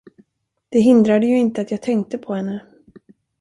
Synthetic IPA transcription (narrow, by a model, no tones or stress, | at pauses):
d̪̥ɛɦɪnd̪ɾad̪əjɵɪnt̪əat̪jɑːɡ̚t̪ʰɛŋk̚t̪əpʰɔhɛnːə